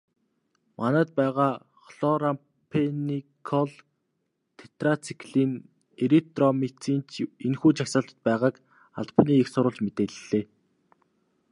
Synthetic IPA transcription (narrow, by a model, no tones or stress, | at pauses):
mʔanæːt̪̚pæːʁaː | χɮɔɾam | pʰenikʰɔɮ | t̪ʰe̥t̪rat͡sʰi̥kɮiːn | eɾek̚t̪rɔmet͡sʰiːnt͡ɕʰenxuːt͡ɕʰaksăːɬt̪ə̥̆t̪̚pæːʁaːk | a̰ɮpə̆niːeksʊɾʊ̆ːɬt͡ɕmet̪eːɮɮeː